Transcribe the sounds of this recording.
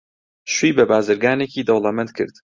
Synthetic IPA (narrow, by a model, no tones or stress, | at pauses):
ʃwiːbɐbaːzɨɾɡaːneciːd̪ɐwlˠɐmɛnt̪̚kʰɨ̰ɾd̪